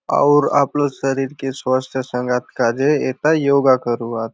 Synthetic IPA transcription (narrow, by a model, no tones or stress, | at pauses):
a̰wɾa̰pləsəɾiːɾkesʋəst̪ʰjəsəŋɡat̪kad͡ʒeet̪ajoɡakəɾuat̪